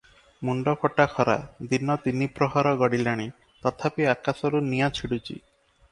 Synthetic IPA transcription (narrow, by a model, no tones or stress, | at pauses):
muɳɖɔkɔʈakʰɔɾa̰d̪inɔt̪inipɾɔɦaɾɔɡɔɽilaɽ̃i | t̪ɔt̪ʰapiakasɔɾunijat͡ʃʰiɽut͡ʃʰḭ